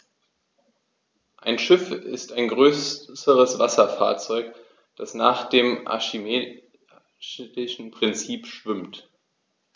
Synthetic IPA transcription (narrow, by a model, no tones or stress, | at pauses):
ʔaɪnʃɪfɪ̰staɪnɡʁøːsəʁəsv̥asɐfa̰ːɐt͡sɔʏk | d̥asnaːχd̥eːmʔa̰ʃime | lɪʃn̩pʁ̥ɪnt͡siːpʃv̥ʏmt